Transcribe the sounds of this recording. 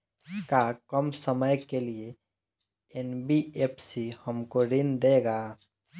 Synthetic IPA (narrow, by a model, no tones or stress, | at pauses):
kakəmsəməjkelie | enbiepsihəmkoɾind̪eɡaː